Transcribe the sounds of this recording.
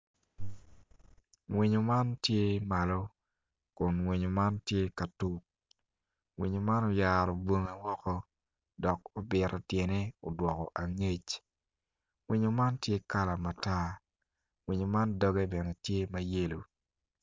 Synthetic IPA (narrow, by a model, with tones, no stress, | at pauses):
ŋwi˨ɲo˨ma˦ntje˦ma˨lɔ˦ | kʊ˨nŋwi˨ɲo˨ma˦ntje˦ka˨tu˦k̚ | wi˨ɲo˨ma˦no˨ja˨ɾɔ˨bwo˦ŋe˦wɔ˦kɔ˦ | dɔ˨k̚o˨bɪ˨ɾɔ˨tje˨ne˦o˨dwɔ˨kɔ˨ʔa˨ŋe˦t͡ʃ | ŋwi˨ɲo˨ma˦ntje˦ka˦la˨ma˨ta˦ | ŋwi˨ɲo˨ma˦ndɔ˦ɡɛ˦bɛ˨ne˨tje˦mɐ˦je˦lu˨